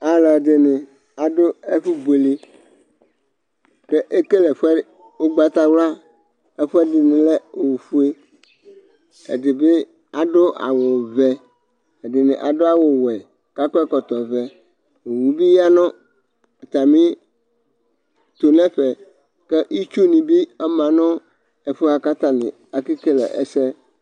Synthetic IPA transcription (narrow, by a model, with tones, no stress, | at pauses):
a˨la˨de˨nɪ̃˨ | a˨ɖo˦e˦ɸi˦be˨li˦ | ke˦ʔe˦ke˦le˨ɸɛ˦ | wo˦ɡ͡ba˦t̪a˦wla˦ | e˦ɸɛ˦di˨nẽ˨le˦˨wu˨fu˦e˦ | ḛ˨de˨be˦ | a˨ɖo˦ʔa̰˨wo˨vɛ˨ | e˨dɪ˨nɪ̰̃˨ʔa̰˨ɖo˦a˦wo˨wɛ˨ | ka˦kɔ˦ɛ˦kɔ˨t̪ɔ˨vɛ˨ | o˨wu˨bi˦ja˦nɔ̃˦˨ | t̪a˨mĩ˦ | t̪o˨nɛ̃˦ɸɛ˨ | ke˦ʔi˦t͡ʃu˦nĩ˨bi˦ɛ˦mã˨nɔ̃˦ | e˨fo˦a˨ka˦t̪a˦nɪ̰̃˨ | a˨ki˦ke˦lɛ̰˨ʔḛ˦sɛ˦